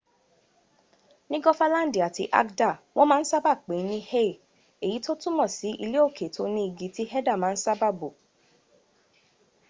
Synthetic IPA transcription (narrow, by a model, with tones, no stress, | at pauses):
nĩ˦ɡɔ˦fa˦lã˦n̩˦di˨a˨tḭ˧ʔa̰˦kda˦˨w̃ʔɔ̃˦mãː˦˧n̩˦sa˦ba˦˨k͡pe˨˦nĩ˦he˦˨ | e˨ji˨˦to˦tũ˦mɔ̃˦˨si˨˦ʔi˧le˦o˦˨kʰe˨˦tʰo˦nĩ˦i˧ɡi˧˦ti˦hɛ˦da˦˨mãː˦n̩˦sa˦ba˦˨bo˨